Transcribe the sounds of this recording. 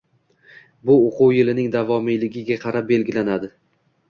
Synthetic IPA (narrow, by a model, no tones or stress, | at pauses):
bʊoqʰuwjɪlɪnɪŋd̪avɒmijlɪɡʲɪɡʲaqʰɑɾap̚be̞lɡʲɪlanad̪ɪ